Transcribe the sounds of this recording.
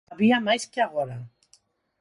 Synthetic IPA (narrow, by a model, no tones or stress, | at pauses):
βiamajskeaɣoɾa